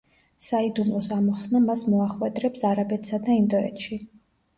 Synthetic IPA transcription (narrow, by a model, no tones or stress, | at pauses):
said̪umlˠɔsamɔχsnamasmɔaχwɛd̪ɾɛpsaɾabɛt̪sad̪aind̪ɔɛ̰t̪ʃi